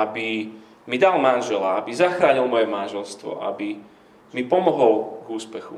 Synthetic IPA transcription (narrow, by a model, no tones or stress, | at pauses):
abi | mid̪almanʒɛlaabizaxɾaːɲilmɔjɛmanʒɛlst̪ʋɔ̰a̰bi | mipɔmɔɦɔlɡuːspɛxṵ